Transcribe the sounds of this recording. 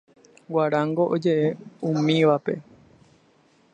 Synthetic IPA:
waɾãŋɡo̞ʔod͡ʒe̞ʔe̞ũmĩʋape̞̰

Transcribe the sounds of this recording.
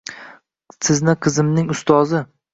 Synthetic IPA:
sɪznɪqʰɨzɪmnɪŋʊst̪ʰɒzɪ

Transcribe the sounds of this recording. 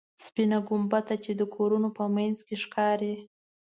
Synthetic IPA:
spinaɡʊmbat̪at͡ʃed̪əkʰoɾunopəmanzkeʂkɑɾe

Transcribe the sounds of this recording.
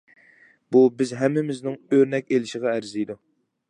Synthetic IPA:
bubɪzɦɛmːɪmɪznɪŋøɾnɛk̚ʲelɪʃɪʁɑæɾzijd̪u

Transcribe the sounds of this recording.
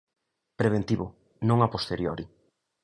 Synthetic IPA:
pɾeβ̞ent̪iβʊ | nõŋapost̪eɾjoɾi

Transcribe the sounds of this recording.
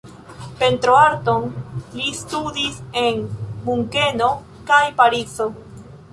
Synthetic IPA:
pe̞nt̪ɾoaɾto̞nlistudise̞nmuŋke̞no̞ | kajpaɾit͡so

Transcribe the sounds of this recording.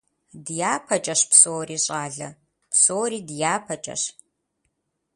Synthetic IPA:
djaːpʰɐt͡ʃʼɐɕpsoːriːɕʼaːɮɐ | psoːɾiːdjaːpʰɐt͡ʃʼɐ̰ɕ

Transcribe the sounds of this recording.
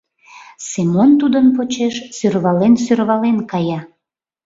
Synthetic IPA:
semont̪ud̪ənpot͡ɕeʃsørβɑlens̬ørβɑlenkɑjɑ

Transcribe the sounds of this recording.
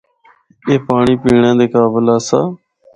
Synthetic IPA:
eːpaːɳiːpiːɳẽːd̪eːkaːbəlaːsaː

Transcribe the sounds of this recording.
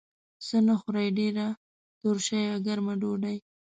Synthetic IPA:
sənaxʊɾajɖeɾa | t̪oɾʃajaɡaɾmaɖoɖaj

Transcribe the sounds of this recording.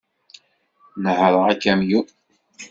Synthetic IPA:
nəhəɾˤəʁækːæmju

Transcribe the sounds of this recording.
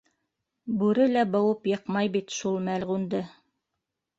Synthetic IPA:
bʉɾɘlæbɤ̆wɤpjɤ̆qmɑjbit̪ʃulˠmælʁund̪ɤ

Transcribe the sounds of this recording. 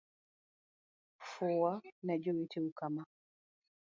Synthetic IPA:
fɔwanad͡ʒɔwitʰɛukama

